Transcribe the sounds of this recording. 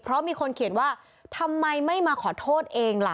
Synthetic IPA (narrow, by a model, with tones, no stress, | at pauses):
pʰɾɔ˦˥miː˧kʰo˧nkʰi˨˩ən̚waː˥˩ | t̪ʰa˧mːa˧jma˥˩jmaː˧kʰɔː˨˩˦t̪ʰoː˥˩t̪̚ʔeː˧ŋla˨˩